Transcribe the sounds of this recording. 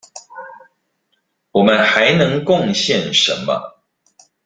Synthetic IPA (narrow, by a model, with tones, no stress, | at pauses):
wɔ˨˩mə˦nxa˧˦ɪnɤ˧˦ŋkʊ˥˨ŋɕjɛ˥˨nʂə̰˨˧˦nmɐ̰˦